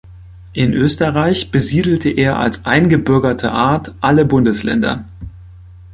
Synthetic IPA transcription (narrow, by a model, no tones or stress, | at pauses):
ʔɪnʔøːstɐʁaɪçb̥əziːdl̩tʰəʔeːɐʔa̰lsʔaɪnɡəbʏɐɡɐtʰə̰ʔaɐtʔaləbʊndəslɛ̰ndɐ̰